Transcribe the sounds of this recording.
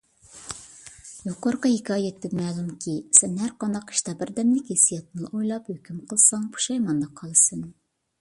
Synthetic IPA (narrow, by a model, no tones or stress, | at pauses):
joqoɾqɑjikʰɑːjet̪ʰːɪpmɛːlˠumkʲʰisɛnhæɾqɑnd̪ɑqi̥ʃt̪ɑbɪɾd̪ɛmlɪkʲesijɑt̪̚nɨʔojlˠɑphøkʲʰymqʰəlˠsɑŋpʰu̥ʃɑjmɑnd̪ɑqʰɑlˠɨsɨn